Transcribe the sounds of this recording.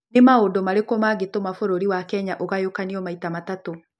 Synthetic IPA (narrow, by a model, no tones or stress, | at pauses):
nemaodomaɾekomaɣetomafoɾoɾiwakɛɲaʔoɣajokaniɔmaitamatato